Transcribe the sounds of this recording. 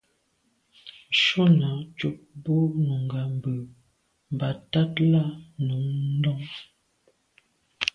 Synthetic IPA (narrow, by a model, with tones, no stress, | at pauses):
ʃo˦na˨˦t͡ʃu˦p̚bo˦nu˨ŋɡa˨m˨bə˨ | m˨ba˨˦ta˦tla˦nu˨˦ŋn˦dɔ˦ŋ